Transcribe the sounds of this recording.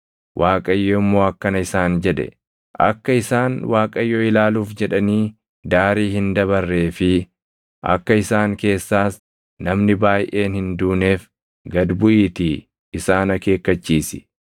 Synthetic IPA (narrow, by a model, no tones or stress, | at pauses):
wʔaːkʼɐjːoːɪmːo̞ːɐkːɐnɐɪsaːnd͡ʒɛᶑɛ̰ | ʔɐ̰kːɐɪsaːnwʔaːkʼɐjːoːɪlaːluːfd͡ʒɛᶑɐniː | d̪aːɾiːɦɪnd̪ɐβɐrːe̞ːfɪ | ʔɐ̰kːɐɪsaːŋke̞ːsːaːs | nɐmnɪbaːjʔeːnhɪnd̪uːne̞ːf | ɡɐd̪bʊʔiːt̪iː | ɪsaːnɐke̞ːkːɐt͡ʃːiːsɪ̥